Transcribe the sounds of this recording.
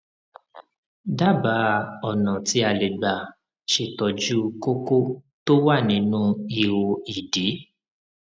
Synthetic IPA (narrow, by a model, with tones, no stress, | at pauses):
da˦˨ba˨˦ɔ˦˨nã˨ti˧˦a˧˨le˨ɡ͡ba˨ | ʃe˧˨tɔ˨d͡ʒu˦ko˦ko˦ | to˦wa˦˨nĩ˨˦nũ˦i˧wo˧i˨di˨˦